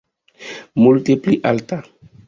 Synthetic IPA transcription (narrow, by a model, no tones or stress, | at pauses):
multipliʔalta